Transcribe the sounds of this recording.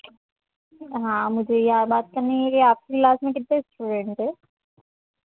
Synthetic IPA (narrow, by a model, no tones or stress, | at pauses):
ɦãːmʊd͡ʒʱejɐɦãbaːt̪̚kɐɾneekiaːp̚kiklaːsmẽk̬ɪt̪nesʈuːɖẽɳʈɦɛː